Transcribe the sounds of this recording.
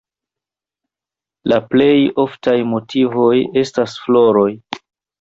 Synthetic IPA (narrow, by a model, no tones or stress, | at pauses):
laple̞jo̞ftajmo̞tʰivo̞je̞stasflo̞ɾo̞j